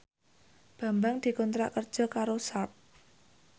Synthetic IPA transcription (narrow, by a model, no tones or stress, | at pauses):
b̥ä̤mbaŋd̪̥i̤kɔnt̪ɾa̰ʔkər̥ʒ̥ɔ̤kaɾosap̚